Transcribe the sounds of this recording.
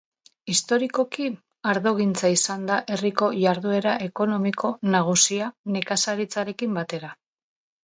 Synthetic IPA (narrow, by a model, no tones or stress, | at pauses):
ist̪o̞ɾiko̞ki | aɾðo̞ɣ̞int͡saisand̪aʔe̞riko̞ʝaɾðue̞ɾaʔe̞ko̞no̞miko̞naɣ̞usiane̞kasaɾit͡saɾe̞kimbat̪e̞ɾa